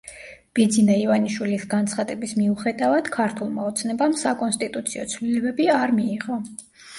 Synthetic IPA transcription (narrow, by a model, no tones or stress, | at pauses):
b̥id̪zinaivaniʃwilisɡant̪sʰχad̪ɛbismiuχɛd̪avad̪̥kʰaɾt̪ʰulˠmaɔt̪sʰnɛbamsakʼɔnst̪ʼit̪ʼut̪sʰiɔt̪sʰvlilɛbɛbiaɾmiːʁɔ